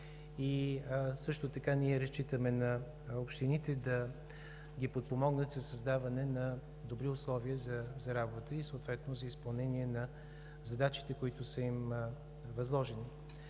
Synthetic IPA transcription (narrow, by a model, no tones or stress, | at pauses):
isɤʃt̪ʊt̪ɐkanʲiɛɾɐst͡ʃit̪əmɛnɐ | opʃt̪init̪ɛd̪ɐ | ɡʲipot̪̚pomɔɡnət̪zɐsɐzd̪avɐnɛnɐ | d̪obɾiʊslˠɔviəzɐzɐɾabot̪əisoʊt̪vɛt̪nozɐispɐlˠnɛniɛnɐ | zɐd̪at͡ʃi̥t̪ɛkoit̪ʊsəim | vɐzlˠɔʒɛni